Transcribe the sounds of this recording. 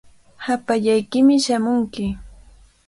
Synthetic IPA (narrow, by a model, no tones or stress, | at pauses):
hapaʎajkɪmɪʃamʊŋkɪ